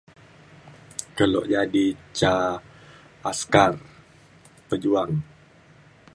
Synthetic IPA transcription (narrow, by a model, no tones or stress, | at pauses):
kəlɔʔd͡ʒadit͡ʃa | askar | pəd͡ʒuaŋ